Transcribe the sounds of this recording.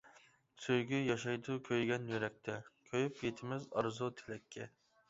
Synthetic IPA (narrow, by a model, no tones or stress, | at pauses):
søjɡʲyjɑʃɑjd̪ʊkʲʰøjɡʲɛnjøɾɛk̚ʲt̪ʰɛkʲʰøjypjet̪ʰɪmɪzɑɾzut̪ʰelɛkʲʰːɛ